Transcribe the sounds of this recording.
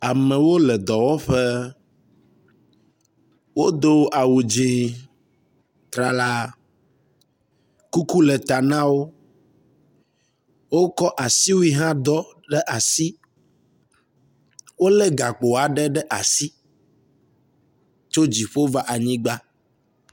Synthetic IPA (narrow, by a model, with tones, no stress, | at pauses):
a˨mɛ̃˨wo˦lɛ˨d̪ɔ˨wɔ˦ɸɛ˦ | wo˦d̪o˦ʔa˨wu˨d͡ʒĩ˨ | t̪ɾa˨la˦ | ku˦ku˦lɛ˨t̪a˨nã˦wo˦ | wo˦kɔ˦ʔa˨si˦wu˦i˦ɦã˦d̪ɔ˦ɖɛ˦ʔa˨si˦ | wo˦lɛ˦ɡa˨k͡po˨a˨ɖɛ˦ɖɛ˦ʔa˨si˦ | t͡ʃo˦d͡ʑi˨ɸo˦va˦ʔa˨ɲĩ˦ɡ͡ba˦